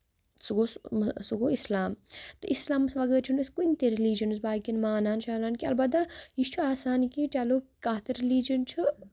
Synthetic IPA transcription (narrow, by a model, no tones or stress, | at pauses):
suɡosuɡoːislaːmt̪ɨʔislaːmsʋɐɡəɾt͡ʃʰunɐskunʲt̪eɾiliːd͡ʒɐnɨsbaːkʲinmaːnaːnʃaːlaːnkʲiɐ̰lbɐt̪ːajiʃt͡ʃʰuaːsaːnkiʈʲjaːlokkːaːt̪ɐɾiliːd͡ʒɐnt͡ʃʰu